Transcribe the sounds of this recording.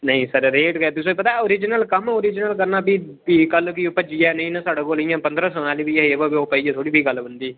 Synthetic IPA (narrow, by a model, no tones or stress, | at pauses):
nəĩːsəɾɾeːʈkɛt̪ʊsoːpət̪aːoːɾɪd͡ʒɪnəlkəmoːɾɪd͡ʒnəlk̬əɾnaːbiː | biːkəlkiːpəd͡ʒiːɛːnəĩːnãːsaːɽaːkoːlijãːpənd̪ɾəːsənaːliːbiːɦebəbioːpəiːeːt̪ʰoːɽiːbʱiːɡəlbənd̪iː